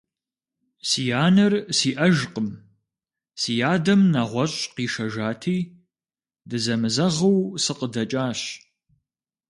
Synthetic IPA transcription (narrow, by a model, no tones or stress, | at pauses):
sijaːnɨrsiːʔɐʒqəm | siːjaːdɐmnɐʁʷɔɕʼqiːʃɐʒaːtʰiː | dɨzɐmɨzɐʁɐwsɨqədɐt͡ʃʼaːɕ